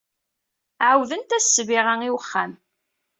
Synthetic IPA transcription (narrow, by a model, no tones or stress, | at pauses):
ʕəwðənt̪æsːviʁaŋiwəχːæm